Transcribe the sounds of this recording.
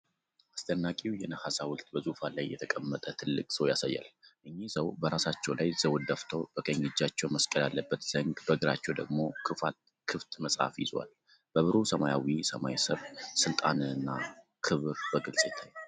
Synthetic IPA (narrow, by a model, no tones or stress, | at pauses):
ʔast̪ʰənːakʼiwjɛnəhasawʊlt̪bəzufalajːɛt̪ʰəkʼəmːət̪ʼət̪ʰɨlːɨkʼsəwjasajːa̰lʔɨɲːisəwbəɾasat͡ʃːɛwlajz̥əwd̪əft̪ʰo̞b̥əkʼəɲːɪd͡ʒːat͡ʃːɛwməskʼəlalːəbːət̪z̥əŋɡbəɡɨɾat͡ʃːɛwd̪əɡmo̞kʰɨfa̰t̪ | kʰɨft̪ʼməsʼha̰fjɪ̰zwa̰l | b̥əβɨɾusəmajawisəmajsəβsɨlt̪ʼanɨɨnːa | kʰɨβɾbəɡɨlsʼet̪ʰəɲ